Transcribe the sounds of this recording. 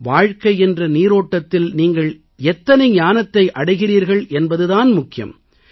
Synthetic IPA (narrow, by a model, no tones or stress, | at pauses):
ʋaːɻkɐɪɛndrɐniːɾoːʈːɐt̪ːɪlniːŋɡɐɭ | ɛt̪ːɐnɐɪɲaːnɐt̪ːɐɪʔɐɽɐɪɣɪriːɾɣɐɭʔɛnbɐðɯðaːnmʊkːɪjɐ̰m